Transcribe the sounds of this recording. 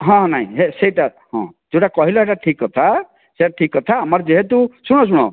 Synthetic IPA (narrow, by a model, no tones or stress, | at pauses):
ɦɔ̃ɦnaĩɦeseʈa | ɦɔ̰̃d͡ʒewʈakʌɦiloeʈaʈʰikɔt̪ʰa | seʈaʈʰikɔt̪ʰaɦamaɾd͡ʒeɦet̪ũsuɽ̃ɔs̬uɽ̃ɔ